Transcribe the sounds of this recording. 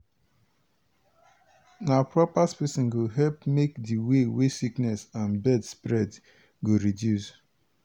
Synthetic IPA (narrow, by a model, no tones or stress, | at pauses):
napɹɔpaspɛsĩnɡoɦɛlpmekdiwewesiknɛsãnbɛdspɹɛd | ɡoɹidjus